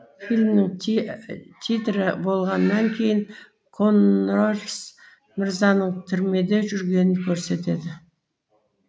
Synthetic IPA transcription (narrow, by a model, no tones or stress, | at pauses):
filʲmnɪŋ | t̪ʲʰit̪ɾɪbo̞lˠʁɑnːɑŋkʲʰe̞jɪŋ | kʰo̞nrolʲs | mɪɾzɑnəɴt̪ʰʏɾme̞d̪e̞ʒʏɾɡʲe̞nɪŋkʲʰɵɾse̞t̪e̞d̪ɪ